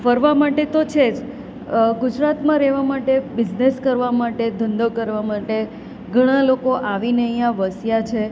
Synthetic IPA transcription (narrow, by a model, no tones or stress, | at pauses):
fəɾʋamaʈet̪ot͡ʃʰed͡ʒ | ɡud͡ʒɾat̪mãɾɛʋamaʈebɪd͡ʒneskəɾʋamaʈed̪ʱənd̪okəɾʋamaʈe | ɡʱəɽ̃alokoʔaʋineəjãʋəsjat͡ʃʰe